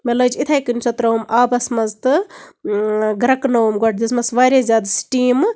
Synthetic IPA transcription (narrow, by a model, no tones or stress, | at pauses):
meləd͡ʒit̪ʰaːjkɨnsʰɐt̪ɾɐumʔaːbɐsmɐzt̪ɨ | ɡɾɐknɐwmɡoʈ̚ʰd̪ismɐsʋaːɾʲezʲjaːd̪sʈiːm